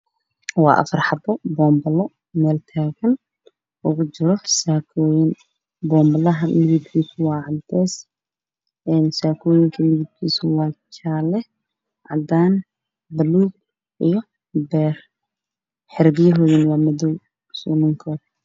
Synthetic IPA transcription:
wɑ̰ːʔɐ̰fɐrħɑbɔbɔːmbɐlɔ | mɛːlt̪ʰaːɣɐn | ʔʊɣʊt͡ʃɪɾɔsaːkʰɔːjɪn | bɔːmbɐlɐɦɐmɪɣɪd̪kʰiːsʰʊwɑːʕɑlt̪ɛːs | ʔɛːnsaːkʰɔːjɪŋkʰɐmɪɣɪd̪̚kʰiːsʊwɑːt͡ʃʰaːlɛ | ʕɑ̰d̪aːn | bɐluːɡ̚ | ʔijɔ | bɛːr | ħɪɾɪɣjɐɦɔːjɪnwɑːmɔðɔw | sʊːnɐŋkʰɔːd̪

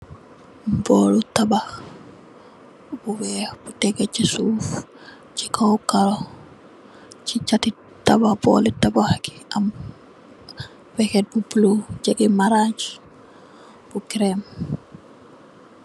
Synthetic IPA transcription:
bɔlutaba | buwɛbutɛɡɛt͡ʃisuːf | t͡ʃikʰawkaɾɔ | t͡ʃit͡ʃati | tababɔ̰litabahaki̥am | wɛkɛt̚buplud͡ʒaɡimaɾaɲt͡ʃ | bukiɾɛm

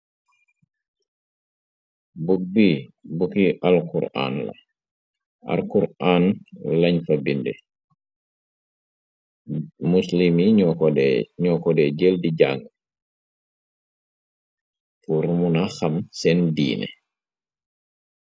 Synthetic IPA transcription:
buk̚bibukiʔɐlkṵɾa̰ːnlɐ̰ | ʔɐ̰ɾkuɾaːnlɐɲfɐbindɛ̰ | muslimiɲɔkɲɔkɔdɛɟeldiɟaŋɡ | puɾmunaxɐmsɛndḭːnɛ̰

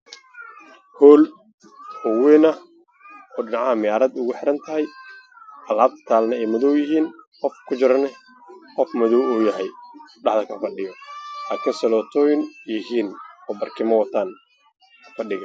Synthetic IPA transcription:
hɔːl | hɔwɛːnɐ | ɔːɖɪnʕɑhɐmɪjaːɾɐd̪ʊɣʊħɪɾɐnt̪ʰɐɦɛj | ʔɐlaːbt̪ʰaːlnɐɛjmɐðɔwjɪɦiːnqɔfkʰʊt͡ʃɪɾɐnɛ | qɔfmɐðɔwuːjɐɦɛjɖɑħðɐkʰɐfɐɖɪjɔlaːkʰɪnsɐlɔːt̪ʰɔːjɪŋjɪɦiːnɔːbɐrkʰɪmɐwɐt̪ʰaːn | fɐɖɪɣɐ

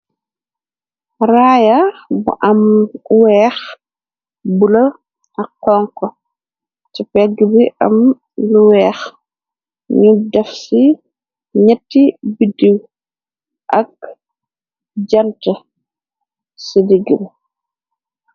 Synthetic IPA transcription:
raːjabṵʔɐmwɛːx | bulɐ | ʔɐkɔːŋkːɔ | cipɛɡibiʔa̰m | luwɛːx | ɲudɛfsi | ɲɛtːibidiw | ʔɐk̚ | ɟɐntɐ | sidiɡib

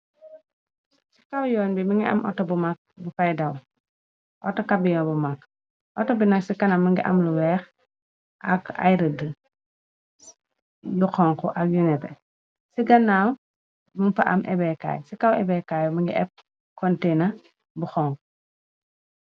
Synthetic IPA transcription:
si̥kawjɔːnbimiŋɡiɐ̰mʔɔ̰tːɔbumak̚bufajdɐw | ʔɔtɔkabijɔːnbumakː | ʔɔtɔbinɐksikɐnamɐŋɡiʔɐmluwɛːx | ʔɐka̰jɾəd | juxɔːŋkɔʔɐk̚junɛtɛ | siɡɐnːaw | muŋpɐʔɐ̰mʔɛ̰bɛka̰ːjsikawɛ̰bɛkajmɐŋɡiʔɛp̚ | kɔntenɐ | buxɔːŋkɔ

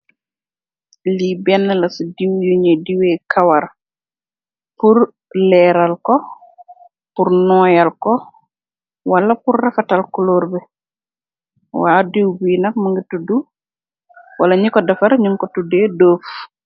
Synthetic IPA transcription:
libɛnːɐlɐsudiwjuɲediwekʰawaɾ | puɾ | lɛːɾalkɔ | puɾnɔːjɐlko | wɐlɐpurːɐfatɐlkuloːɾbɛ | waːdiwbinɐk̚mɐŋɡitudu | wɐlɐɲikɔdɐfɐɾɲuŋkɔtudeːdoːf

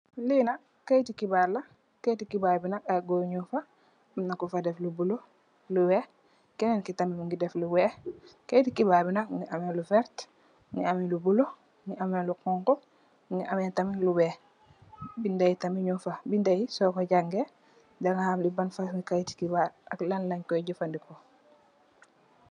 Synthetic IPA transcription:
lina | kːajtikibaɾla | kejtikibaːbinak̚aɡoɲufa | mnakufadɛflubulo | luwɛ | kɛnɛnkitamimuŋɡidɛfluwɛkajtikibaːbinak̚ŋiʔamelufɛɾt | ŋiamilubulo | ŋiamelukɔŋkɔ | ŋiʔamitamiluwɛ | bindajitamiɲufabindajisɔkoɟaŋɡe | daŋahaːmlibanfaŋikajti̥kibaa̰klanlaɲkɔɟufandikɔ

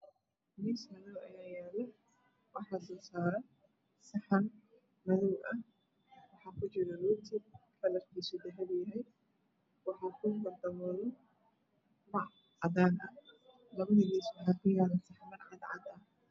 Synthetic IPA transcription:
mismɐðɔwɐ̰jaːjɛːlɛ | wɑħɑːsɔːsaːɾɐ | sɐħɐn | mɐðɔwʔɐh | wɑħɑːkʰʊt͡ʃɪɾɔlut̪ʰɪkʰɐlɐrkʰisʊd̪ɐɦɐdjɐɦɛj | wɑħɑːkʰʊbɐd̪ɐmɔðɔ | mɐʕ | ʕɑd̪aːnɐh | lɐβɐðɪɣiːswɑħɑːkʰʊjaːlɐsɐħmɐrʕɑd̪ʕɑ̰d̪ɐh

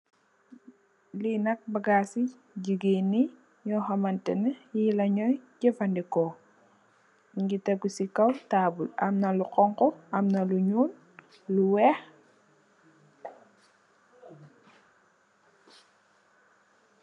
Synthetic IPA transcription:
linɐk̚baɡasi | ɟiɡini | ɲɔxɐmɐntɛnɐjilɐɲɔjɟɛfandikɔ | ŋɡitɐɡusikɐwtaːbulɐmnɐluqɔŋkɔɐmnɐluɲuːn | luwɛx

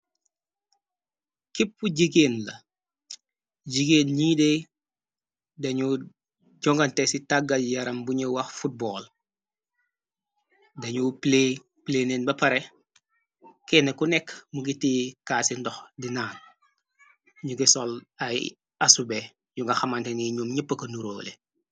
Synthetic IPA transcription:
kip̚ːuɟiɡeːnlɐ | ɟiɡeːnɲiːde | dɐɲu | ɟɔŋɡɐntesitaɡɐljɐɾɐmbuɲɐwɐxfut̚bɔːl | dɐɲuple | pleneːnbɐpɐɾe | kɛnekunɛkmuɡitiːkasindɔxdinaːn | ɲuɡisɔlaj | asube | ɲuŋɡɐxɐmanteniɲumɲipːɐkɐnuɾo̰ːle

